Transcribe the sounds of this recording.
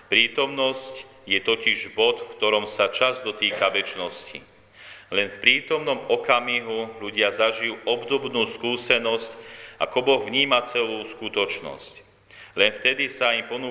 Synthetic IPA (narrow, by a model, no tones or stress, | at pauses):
pɾiːt̪ɔmnɔsc | jɛt̪ɔciʒbɔt̪fkt̪ɔɾɔmsat͡ʃazd̪ɔt̪iːkaʋɛt͡ʃnɔscḭ | lɛnfpɾiːt̪ɔmnɔmɔkamiɦuluɟɪazaʒijuːʔɔbd̪ɔbnuːskuːsɛnɔscʔa̰kɔbɔɣvɲiːmat͡sɛluːskut̪ɔt͡ʃnɔ̰sc | lɛnft̪ɛd̪isaimpɔnuː